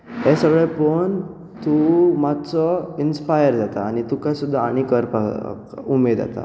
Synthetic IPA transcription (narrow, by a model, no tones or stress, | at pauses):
ɦɛsəɡɭepən | t̪umat͡sɔinspajəɾd͡zat̪aːñit̪ukasud̪ʱːaaɽ̃ikəɾpa̰ | umed̪a̰t̪a̰